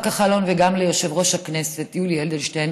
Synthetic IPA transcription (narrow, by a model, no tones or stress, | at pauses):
kaχalo̞nveɡamlejoʃe̞vʁo̞ʃhakneset̪julield̪elʃten